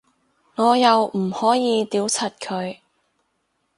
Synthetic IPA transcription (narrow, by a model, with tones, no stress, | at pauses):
ŋɔː˨˧jɐ˨wm̩˨˩hɔː˨˥jiː˨˧t̪iː˨˥wt͡sʰɐ˨˩t̚kʰɵ˨˧ɥ